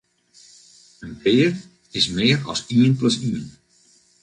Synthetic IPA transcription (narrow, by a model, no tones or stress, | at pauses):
ənbɪːər | ɪsmɪərɔ̰siənpləsiən